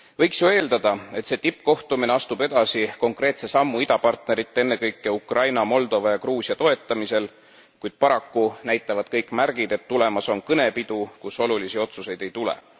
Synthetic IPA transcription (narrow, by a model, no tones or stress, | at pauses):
vɤjksjue̞ːld̪ɑd̪̥ɑe̞t̪se̞ːt̪ipːˑko̞ht̪umineɑst̪ube̞d̪̥ɑsiko̞ŋkre̞ːt̪se̞sɑmːuid̪ɑpɑrt̪ne̞ɾit̪ːˑe̞nːe̞kɤjkːˑe̞ukrɑjnɑmo̞ld̪o̞vɑjɑkruːsʲiɑt̪o̞e̞t̪ːˑɑmise̞l | kujd̪̥̚pɑɾɑkːunæjt̪ˑːɑvɑd̪̥̚kɤjkːˑmærɡ̥id̪e̞t̪ːule̞mɑso̞nkɤne̞pid̪̥ukuso̞lulisio̞t̪suse̞jd̪̥e̞jt̪ulḛ